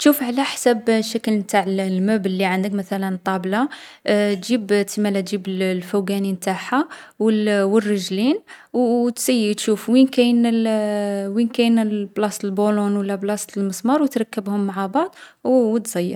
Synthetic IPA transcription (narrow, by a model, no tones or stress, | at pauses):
t̪ʃufʕlæħsæbʃækəlmt̪aʕəllmæbəlːiʕənd̪əkmæt̪ælənt̪ˤːɑblɑ | t̪ʒibt̪imælæt̪ʒibəllfuɡænimt̪aħawəlwərːəʒlin | wt̪səjːit̪ʃufwinkæjnəl | winkæjnəlblɑst̪əlbulʊnwəlːæblɑst̪əlməsmɑɾˤwət̪ɾˤɑkːəbhʊmːaʕabɑʕd̪ˤwwət̪z̥ˤɑjːə̰ɾ